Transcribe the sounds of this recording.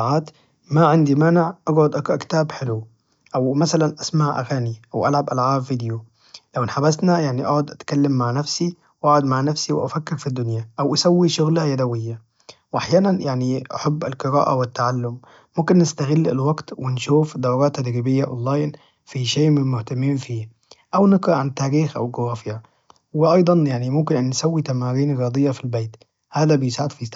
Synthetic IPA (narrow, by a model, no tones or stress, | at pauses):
ʕaːt̪ | maʕɪnd̪imaːnɪʕʔaɡʕʊd̪ʔaɡkt̪aːbħɪlu | ʔawmasalanʔasmaʕʔa̰ɣaːniʔawʔa̰lʕabʔalʕaːbviːd̪ɪju | lawʔɪnħabasnajaʕniʔaʕʊd̪ʔat̪kalːamːaʕnafsi | wʔaʕʊd̪maʕnafsiwɪʔafakːɪɾfid̪ːʊnjaʔawʔasawːiʃʊɣlajad̪awɪjːa | wʔaħjaːnanjaʕniʔa̰ħabːalqɨɾa̰ːʔa̰wɪt̪ːaʕalːʊmː | ʊmkɪnːɪst̪aɣɪlːɪ̰lwaɡt̪wɪnʃuːfd̪awɾɑːt̪ːad̪ɾiːbɪjːaʔo̰nlːaːjn | fiʃeːmɪmʊht̪amːiːnfiː | ʔawnɪɡɾɑʔʕant̪aːɾiːxʔa̰wɡʊɣɑːfɪja | wɪʔɑjd̪ˤɑnjaʕnimʊmkɪnʔanːsawːit̪amaːɾiːnɾjɑːd̪ˤɨjːafilbeːt̪ | haːd̪æbɪjɪsaʕɪd̪fi